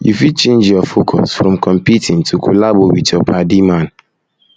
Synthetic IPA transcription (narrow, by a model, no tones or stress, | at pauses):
jufit͡ʃẽnd͡ʒjɔfokʰɔ̰sfɾɔ̃mkʰɔ̃mpitʰĩŋtʰukʰulabowḭtɔpʰadimãn